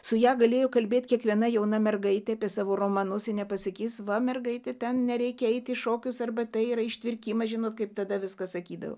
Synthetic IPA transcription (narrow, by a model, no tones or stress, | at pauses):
sʊjæːɡɐlʲeːjoːkɐlʲbʲeːt̪ʲkʲiɛkʋʲiɛnɐjɛʊnɐmʲɛrɡɐɪt̪ʲɛɐpʲiɛsɑːʋoːroːmɐnʊsɪnʲɛpɐsʲɐkʲiːsʋɐmʲɛrɡɐɪt̪ʲɪt̪ʲɛnnʲɛɾʲɛɪkʲɛɛɪt̪ʲɪʃoːkʲʊsɐrbɐt̪ʲɐɪiɾɐɪʃʲt̪ʲʋʲɪrʲkʲiːmɐʒʲɪnoːt̪kɐɪpt̪ɐd̪ɐʋʲɪskɐsɐkʲiːd̪ɐ̰ʋo̰